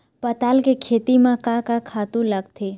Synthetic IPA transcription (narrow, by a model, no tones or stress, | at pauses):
pɐt̪aːlkekʰeːt̪imãkãkãkʰaːt̪ũləɡt̪ʰe